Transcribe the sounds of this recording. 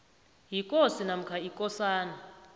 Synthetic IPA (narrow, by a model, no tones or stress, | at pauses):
jikʼosinam̩kʰaikʼɔsaːna